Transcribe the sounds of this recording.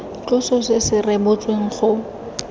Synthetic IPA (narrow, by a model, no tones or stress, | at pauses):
t͡ɬʼʊsɔsɪsɪrɛbʊt͡sʼweŋ̩χʊ